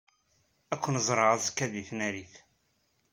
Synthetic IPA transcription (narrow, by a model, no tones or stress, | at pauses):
ækʷːənzˤɾˤəʁæzkːæðiθnæɾiθ